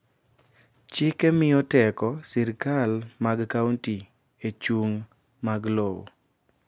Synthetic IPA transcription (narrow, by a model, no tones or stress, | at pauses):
t͡ʃɪkemɪɔtɛkɔsɛɾkalmaɡkawnti | et͡ʃuŋ | maɡlow̰